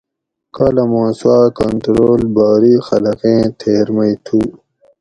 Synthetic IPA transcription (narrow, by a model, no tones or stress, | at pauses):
kalɐmãːsuwaːkɐnt̪ɾoːlbaːɾiːxɐlɐqẽːt̪ʰeːɾmɐit̪ʰuː